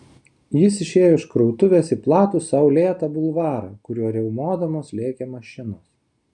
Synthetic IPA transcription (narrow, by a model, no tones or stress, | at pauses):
jɪsɪʃʲeːjoːɪʃkɾɔʊt̪ʊʋʲeːsiplˠɑːt̪uːsɐʊlʲeːt̪ɐbʊlˠʋɑːɾɐ̰ːkʊɾʲuɔɾʲɛʊmoːd̪ɐmoːslʲeːkʲɛmɐʃʲɪnoːs